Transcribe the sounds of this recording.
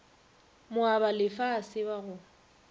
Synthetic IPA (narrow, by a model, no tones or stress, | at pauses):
mʊabalɪfaːsɪbaɣʊ